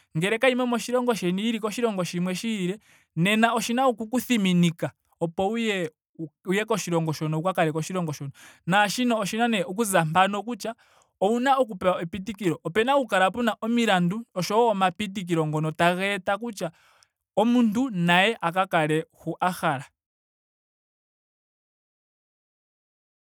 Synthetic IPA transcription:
ŋɡɛɾɛkaimwɛmɔʃiɾɔŋɡɔʃɛniiɾikɔʃiɾɔŋɡɔʃimwɛʃiːɾɛ | nɛnaɔʃinaukukuθiminika | ɔpɔujɛ | ujɛkɔʃiɾɔŋɡɔʃɔnɔukakaɾɛkɔʃiɾɔŋɡɔʃɔnɔnaʃinɔːʃinanɛuk̬uzampanɔk̬ut͡ʃa | ɔunaɔk̬upɛaɛpitikiɾɔʔɔpɛnaukaɾapunaʔɔmiɾanduɔʃɔːmapit̬ik̬iɾɔŋɡɔnɔtaɣɛtak̬ut͡ʃa | ɔmuntunajɛʔakakaɾɛhuʔaxaɾa

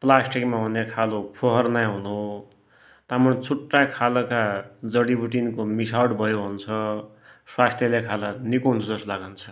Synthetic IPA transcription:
plasʈikmaɦunekʰalopʰoɦʌrnajɦunu | t̪amunt͡sʰuʈːakʰalʌkad͡zʌɽibuʈinkomisawɽbʱʌjoɦunt͡sʰʌ | swast̪ʰjʌlekʰalanikoɦunt͡sʰʌd͡zʌslaɡant͡sʰʌ̥

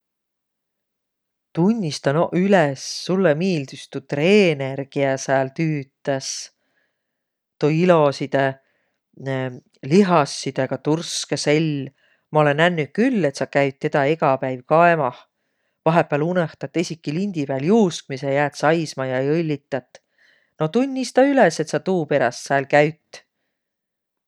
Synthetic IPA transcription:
t̪unʲːist̪ɑnʔylesːulːemiːld̪yst̪ut̪re̞ːne̞rɡ̥iæsæːlt̪yːt̪ːˑɑs | t̪oilo̞sid̪̥e | liɦɑsːid̪̥eɡ̥ɑt̪urskeselʲː | mɑo̞le̞nænːyt̚kylːe̞t̪sɑkæɥt̪̚ːe̞d̪̥ɑe̞ɡɑpæjvkɑemɑh | vɑɦepːˑæːluneht̪ɑt̪ːˑesʲikːˑilinʲd̪̥ipæːljuːsk̚misejæːt̪sɑjsmɑjɑɤlʲːit̪ːˑɑt̪ːˑ | no̞t̪unʲːist̪ɑylese̞t̪sɑt̪uːpe̞ɾɑst̪sæːlkæɥt̪ːˑ

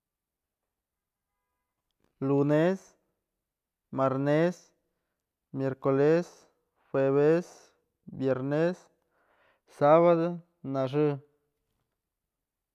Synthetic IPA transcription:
lunes | maɾnes | mjeɾkoles | xweβes | bjeɾnes | saβad̪o | naʐɨ

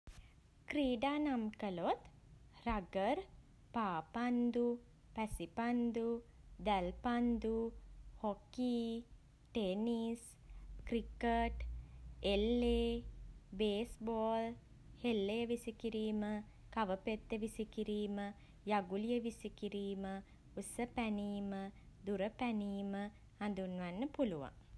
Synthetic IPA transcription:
kɾiːɖaːnamkəlot̪ | raɡəɾ | paːpand̪u | pæsipand̪u | d̪ælpand̪uhokiː | ʈenis | kɾikəʈelːe | beːsboːl | helːejəʋisikiɾiːmə | kaʋəpet̪ːəʋisikiɾiːmə | jaɡulijəʋisikiɾiːmə | usəpæniːmə | d̪uɾəpæniːmə | hand̪unʋanːəpuluʋa̰ŋ

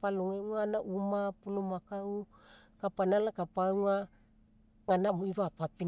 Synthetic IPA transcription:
paloŋeŋanaʔumapulomakaukapanalakapaŋa | ŋanamuiβapapi

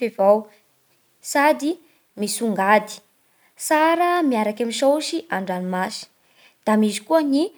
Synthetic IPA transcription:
evaw | sad̪i | misuŋɡad̪i̥ | saɾəmiaɾakamiʃowʃiʔaɳɖ͡ʐanimasi̥ | d̪̥amizikuəni

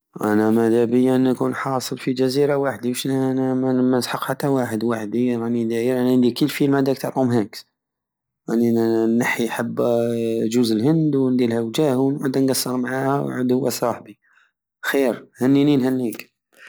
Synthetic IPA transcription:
ʔæ̰næmæd̪æbəjːænːækunħɑsˤəlfid͡ʒæziɾawaħd̪iwəʃnæmæmæəsħəqħat̪ːæwaħəd̪waħd̪iɾˤnid̪æiɾʔænæʕənd̪ikəlːfilmæd̪æk̚t̪əʕɾˤumhæk | ʔaninːaħiħəbːʒuzəlhənd̪wnd̪ilhæwd͡ʒæhunʕəd̪ːænɡɑsːəɾˤmʕahæwʕə̰d̪hʊwːæsˤɑħbi | xiɾhænːininhænːik

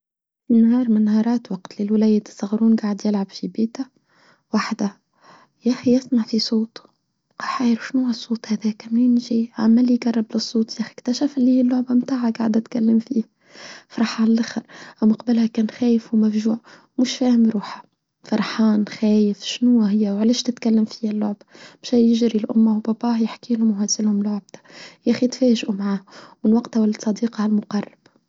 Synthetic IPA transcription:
finhɑːɾˤmɪnhɑːɾˤɑːt̪wɑqt̪lilwlæːjɪd̪sˤɑɣɾuːnɡaːʕəd̪jɪlʕabfibiːt̪æ | waħd̪æ | jæxiɪsmaʕfisˤoːt̪ | qɑħajɾuʃnʊhæsˤːuːt̪ˤhæðæːkmɪnʒiʕa̰mːælːiɡɑrˤːɑblɪsˤːuːt̪jæxi̥kt̪æʃæfɪlːihiːlːʊʕbamt̪aːʕaɡaʕd̪æt̪kælːɪmfiːh | fɑɾˤɑħɑllʔaxɑɾʔæwmɑqbəlhækæːnxæːjɪfuwmæfʒuːʕ | mʊʃfæːhɪmɾuːħḁ | fɑɾˤħɑːnxæːjɪfʃnʊæɦɪjːæwʕlæːʃt̪ɪt̪kælːæmfihælːʊʕbḁbʃæjɪʒɾilʔʊ̰mːawbɑbɑːhjɪħkiːlʊmhæzɪlhʊmlʊʕb̚t̪ḁjæːxijɪt̪fæːʒʔumʕaːhwɪnwɑqt̪awlːsˤɑd̪iːqɑalmʊqɑrˤːɑb̥

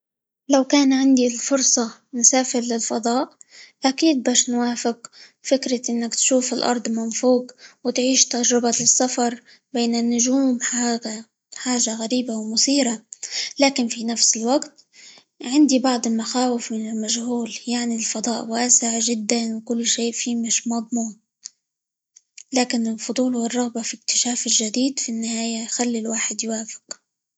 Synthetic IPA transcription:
lawkaːnʕɪnd̪ilfʊɾsˤɑnʊsaːfɪɾlɪlfɑd̪ˤɑːʔʔakiːd̪̚baːʃnwaːfɪq | fɪkɾɪʔɪnːakt̪ʃuːfɪlʔɑ̰ɾˤd̪ˤmanfuːqwɪt̪ʕiːʃt̪ad͡ʒɾɪbasːafɑɾˤ | beːnɪnːʊʒuːmħaa | ħaːʒaɣaɾiːbawmʊsiːɾalaːkɪnfinafsɪlwaɡt̪ | ʕɪnd̪ibɑʕd̪ˤɪlmaxaːwɪfmɪnɪlmaʒhuːljaʕnilfɑd̪ˤɑːʔwaːsɪʕʒɪd̪ːanwɪkʊlːʃeːʔfiːmɪʃmɑd̪ˤmuːm | laːkɪnɪlfʊd̪ˤuːlwɪrˤːɑɣbɑfik̚t̪ɪ̥ʃaːfɪlʒad̪iːd̪finːɪhaːjajxalːilwaːħɪd̪jwaːfɪ̥q

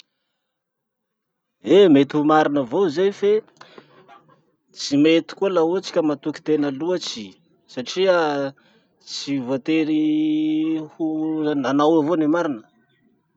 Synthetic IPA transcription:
emet̪ihumaɾinəvozeajfe | t͡simet̪i̥kualaut͡si̥kʲəmat̪uki̥t̪enəluat͡si | saʈ͡ʂia | t͡sivat̪eɾi | hunanawavonemaɾinə

